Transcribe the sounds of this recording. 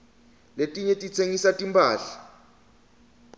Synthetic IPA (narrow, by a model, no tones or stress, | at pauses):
letʼiɲetʼit͡sʰeŋisatʼimpʰʼaːɬḁ